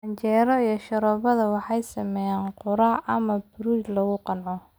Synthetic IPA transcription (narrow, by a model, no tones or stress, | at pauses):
ɐɲt͡ʃɛːɾɔijɔʃɐɾɔːβɐðɐwɑħɑjsɐmɛjaːnqʊɾaʔɐmɐbʊɾuːt͡ʃlɐɣʊqɑnʕɔ